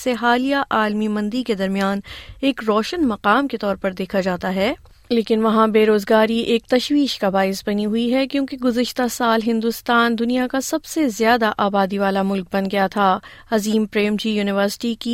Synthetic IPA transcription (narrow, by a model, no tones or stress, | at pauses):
seɦaːlijaʔaːlmimɐ̃nd̪iked̪ɐɾmijaːneːkɾɔːʃənmɐqaːmket̪ɔːɾpɐɾd̪eːkʰad͡ʒaːt̪aɦɛː | leːkɪnʋɐɦãbeːɾoːzɡaːɾiʔeːk̚t̪ɐʃwiːʃkabaːɪsbɐniɦʊiɦɛkjõːkeɡʊzəʃt̪asaːlɦɪ̃nd̪ʊst̪aːnd̪ʊnijakasɐbsezjaːd̪aʔaːbaːd̪iʋaːlamʊlk̚bɐ̃nɡɐjat̪ʰaː | ɐziːmpɾeːmd͡ʒijuːnɪʋəɾsɪ̥ʈiki